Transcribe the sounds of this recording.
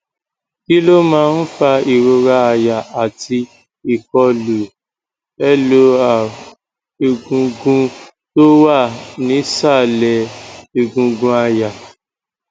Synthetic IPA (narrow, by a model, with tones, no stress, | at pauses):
ki˦lo˦mãː˦n̩˦fa˧i˨ɾo˧ɾa˧a˧ja˨ʔa˨ti˧ | i˨kɔ˧lu˨ | ɛ˦lo˧a˨ | e˨ɡũ˧ɡũ˦ | to˦wa˦˨nĩ˨˦sa˦˨lɛ˨e˨ɡũ˧ɡũ˧a˧ja˨